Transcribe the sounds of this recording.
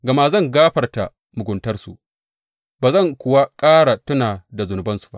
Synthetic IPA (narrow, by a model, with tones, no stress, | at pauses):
ɡɐ˨ma˦zɐ˦˨ŋɡaː˦ɸɐ˨rta˨ | mʊ˨ɡʷʊ˨ntɐ˦rsṵ˨ | baː˨zɐ˦˨ŋkʷʊ˨wa˦kʼaː˦ɽa˨tʊ˦naː˨da˨zʊ˨nʊ˨bɐ˦nsu̥˨ba̰˦ʔ